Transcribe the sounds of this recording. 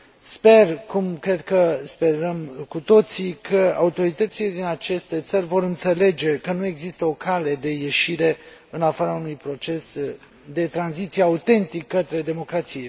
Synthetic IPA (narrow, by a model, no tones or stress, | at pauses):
spe̞rkumkɾe̞d̪kəspe̞ɾəmkut̪o̞t̪sikʰəa̰ut̪o̞ɾit̪ət̪sile̞d̪inat͡ʃe̞st̪e̞t̪sərʲvo̞ɾɨnt̪se̞le̞d͡ʒe̞kənue̞ɡzist̪əo̞kale̞d̪e̞je̞ʃiɾe̞ɨnafaɾaunujpɾo̞t͡ʃe̞s | d̪e̞t̪ɾanzit̪sijeaut̪e̞nt̪ikːət̪ɾe̞d̪e̞mo̞kɾat̪sije